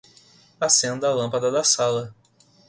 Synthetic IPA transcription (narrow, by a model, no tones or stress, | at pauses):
asẽnd̪ɐalɐ̃pɐd̪ɐd̪ɐsalɐ